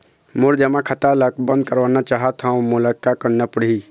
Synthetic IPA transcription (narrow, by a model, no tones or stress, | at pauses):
muɾd͡ʒəmakʰət̪aləkbə̃nd̪̚kəɾbanat͡ʃaɦət̪ʰãũmuləkːakəɽnepəɽ̤i